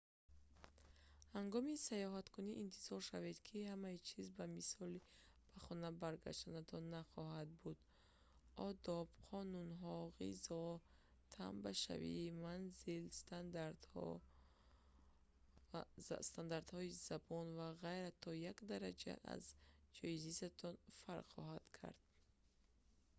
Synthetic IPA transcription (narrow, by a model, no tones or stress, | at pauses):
haŋɡɔmisajɔɦat̪kʰuniʔint̪ʰiz̥ɔɾʃaved̪kʰihamait͡ʃʰizbamisɔli | b̥aχɔnabaɾɡa̰ʃt̪anat̪ʰɔnaχɔɦad̪̚bud̪ | ɔd̪ɔbqʰɔnunɦɔʁḭzɔ | t̪ʰa̰mbaʃa̰vḭːmanzilst̪and̪aɾd̪hɔ̰ | st̪and̪aɾd̪hɔizabɔnvaʁajɾat̪ʰɔjakd̪aɾad͡ʒa̰ʔa̰zd͡ʒɔizizat̪ʰɔnfaɾχɔ̰ɦad̪̥kʰa̰ɾd̪̥̚